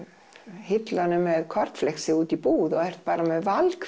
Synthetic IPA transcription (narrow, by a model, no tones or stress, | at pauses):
hɪt̪lanʏmɛðkʰɔɾ̥t̪flɛxsɪuːt̪ipuːðɔɣɛr̥t̪̚paːɾamɛðvalk